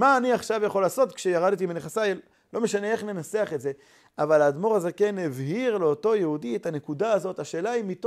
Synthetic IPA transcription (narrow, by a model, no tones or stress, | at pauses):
maːniaχʃavjaχo̞laːso̞t̪kʃejaʁad̪t̪̬imneχasajel | lo̞meʃane̞eχne̞nase̞aχetze̞ | avalad̪mo̞ʁazekenevɦiʁleoto̞jehudiethanekudaːzo̞taʃe̞ːlaimːito